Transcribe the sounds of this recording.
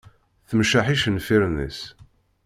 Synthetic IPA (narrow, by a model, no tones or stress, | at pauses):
θəmʃaħiʃənfiɾənðḭs